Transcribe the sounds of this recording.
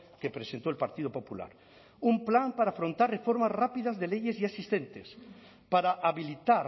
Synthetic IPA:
kepɾesent̪oelpaɾt̪iðopopula̰ɾ | umplampaɾaːfɾont̪arrefoɾmazrapiðazðelejeziasist̪ent̪es | paɾaʔaβilit̪aɾ

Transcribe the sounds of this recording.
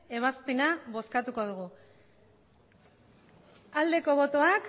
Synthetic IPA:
e̞β̞aspe̞naβo̞skat̪uko̞ðuɣu | ald̪e̞ko̞β̞o̞t̪o̞ak

